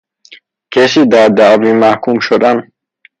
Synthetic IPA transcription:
kʰesid̪aɾd̪avimahkʰumʃod̪an

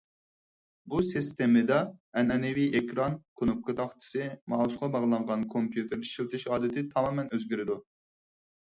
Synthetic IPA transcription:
busist̪emɪd̪ɑɛnɛnɪviʔekɾɑnkʰonup̚kɨt̪ʰɑχt̪ʰɨ̥sɨmɑːwusqɑbɑʁlˠɑɴʁɑnkʰompjut̪ʰɪɾʃilt̪ʰɪʃɑːd̪ɪt̪ʰɪt̪ʰɑmɑːmɛnøzɡʲyɾɪd̪u

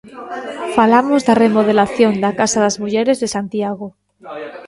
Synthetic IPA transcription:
falamo̞zðare̞mo̞ð̞e̞laθjo̞nd̪akasaðazmuʝe̞ɾe̞zðe̞sant̪iaɣo

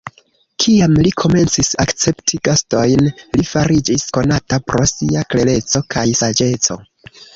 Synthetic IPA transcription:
kʰiamlikʰo̞me̞nt͡sisakt͡se̞ptʰiɡasto̞jnlifaɾid͡ʒisko̞natapɾo̞siakle̞le̞t͡so̞kʰajsad͡ʒe̞t͡so̞̰

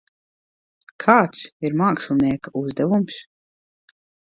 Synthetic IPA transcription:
kʰaːt̪siɾmaːkslˠniɛkauzd̪ɛvums

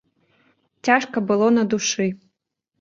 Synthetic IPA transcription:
t͡sʲaʂkɐbɨlˠɔnɐd̪uʂɨ

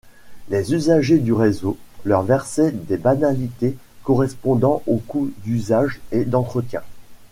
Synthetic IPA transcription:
lezyzaʒed̪yʁezolœʁvɛʁsɛd̪ebanalit̪e | kɔʁɛspɔ̃d̪ɑ̃ʔokud̪yzaʒed̪ɑ̃t̪χət̪jɛ̰̃

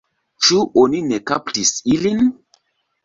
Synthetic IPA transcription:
t͡ʃuʔoninekaptisilin

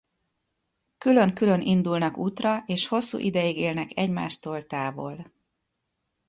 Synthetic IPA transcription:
kylø̞ŋkylø̞nʔind̪ulnɒkuːt̪rɒʔeːʃho̞sːṵːʔid̪ɛjiɡeːlnɛkɛɟma̰ːʃt̪oːlt̪aːvo̰l

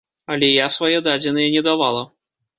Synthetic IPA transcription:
ɐlʲɛjasvajɛd̪ad͡zʲinɨjɛnʲɛd̪avalˠɐ

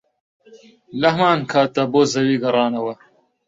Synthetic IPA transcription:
lɐhɐmaːnkʰaːt̪ːɐboːzɐwiːɡɐɾˤɑːnɐwɐ

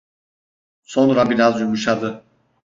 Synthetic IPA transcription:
so̞nɾabiɾazjumuʃad̪ɯ

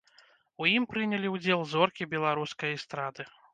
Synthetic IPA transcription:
ujimpɾɨnʲɛlʲiwd͡zʲɛlˠzɔrkʲibʲɛlˠaɾuskɐjist̪ɾad̪ɨ

